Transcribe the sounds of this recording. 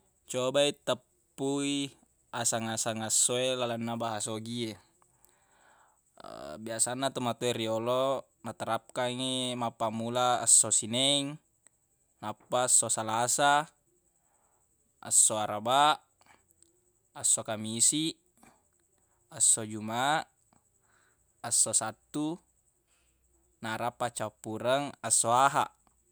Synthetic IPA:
t͡ʃobait̪əpːui | asaŋasaŋasːoelalanːabaɦasoɡie | biasanːat̪omat̪oeriolo | nat̪aɾap̚kaŋemapːamula̰ːsːosinɛŋ | napːasːosalasa | sːoaɾaba | asːokamisiʔ | asːod͡ʒumaʔ | sːosat̪ːu | naɾapːat͡ʃapːuɾaŋasːoaɦa̰ʔ

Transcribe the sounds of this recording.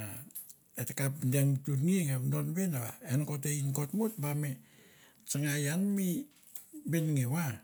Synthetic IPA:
a | etekapdeŋtutŋiŋedonbenaβa̰enkot̬einkotmutbame | t͡ʃaŋajanmi | benŋewa

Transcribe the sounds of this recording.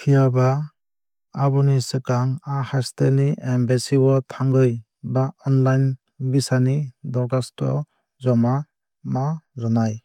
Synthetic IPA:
kʰijaba | abɔnisɯkaŋahasteniɛmbesibɔtʰaŋɡɯj | baɔnlajn | bisanidɔɾɡastɔ̰ | zɔma | mazɔnaj

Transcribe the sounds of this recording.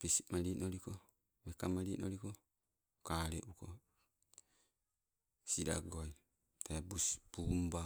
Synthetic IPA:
pisimalinoɾiko | mekamalinoliko | kaɾeʔuko | sida̰ɡoj | t̪abusbumba

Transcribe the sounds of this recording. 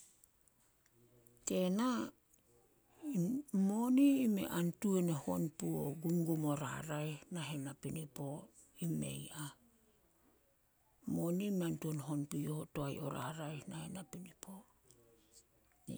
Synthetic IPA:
te̞na | moniːme̞̰ʔantueneho̞̰npuoɡumɡomo̞ɾa̰ɾajnaɦenapinipo̞ | ime̞̰ja | mo̞niːmeantuonɦo̞npijohotoaj̰o̞̰ɾa̰ɾajnahenapinipʰo

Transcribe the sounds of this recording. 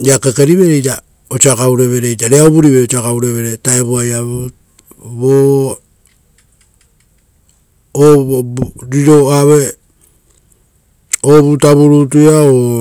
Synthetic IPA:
akakeɾiβe̞ɾejta | ot͡ʃiakawɾe̞βe̞ɾejtaɾeaoβuɾiβeot͡ʃiakawɾe̞βe̞ɾetaeβoajaβ | βo | ɾiɾo̞aβe | oβutaβuɾutujao

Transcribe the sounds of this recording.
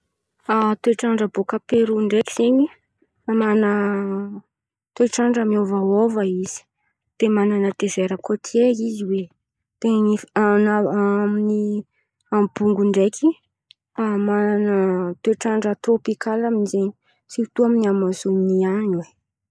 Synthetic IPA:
at̪eʈ͡ʂaɳɖ͡ʐəbokapeɾuɳɖ͡ʐekiz̥eɲi | amanə | t̪ueʈ͡ʂaɳɖ͡ʐəmiovaovəiz̥i̥ | d̪̥emananət̪ev̥eɾəkot̪ʰieiziwe | t̪eianaamini | ambuŋɡuɳɖ͡ʐekʰi | amananət̪eʈ͡ʂaɳɖ͡ʐat̪ropikalaminzeɲi | siut̪uaminiamazuniaɲwe

